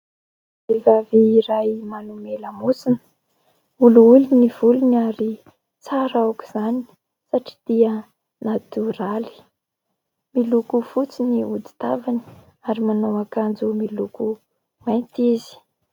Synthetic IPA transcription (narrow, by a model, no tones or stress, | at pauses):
evaviːɾajmanumeləmusin | uluuluniv̥ulunaɾi | t͡saɾawku̥z̥ani̥ | saʈ͡ʂi̥d̪̥iə | nad̪urali̥ | milukufut͡siniud̪i̥t̪avani̥ | aɾimanowakand͡zumiluku | majnt̪ezi̥